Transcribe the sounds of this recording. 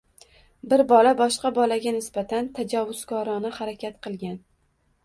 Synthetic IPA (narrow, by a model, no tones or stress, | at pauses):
bɪɾbɒlabɒʃqɑbɒlaɡʲanɪsb̥at̪ʰant̪ʰad͡ʒavʊz̥kʰɒɾɒnɪhaɾakʲʰat̪qʰɨlˠɡʲan